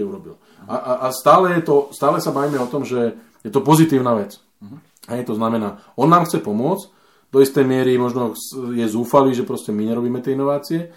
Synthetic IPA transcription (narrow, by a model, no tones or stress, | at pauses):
ɛuɾɔbḭl | ʔaʔaʔast̪aːlɛjɛt̪ɔst̪aːlɛsabaʋiːmɛɔt̪ɔmʒɛ | jɛt̪ɔpɔzit̪iːʊnaːʋɛt͡s | ɦɛjt̪ɔznamɛnaː | ɔnːaːmxt͡sɛpɔmʊɔt͡s | d̪ɔist̪ɛjmɪɛɾimɔʒnɔsjɛzuːfaliːʒɛpɾɔscɛmiɲɛɾɔbiːmɛt̪ɪɛinɔʋaːt͡siɛ